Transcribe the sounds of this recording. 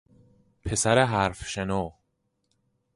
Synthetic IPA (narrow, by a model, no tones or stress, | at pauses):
pʰesæɾeɦæːɾfʃenɔː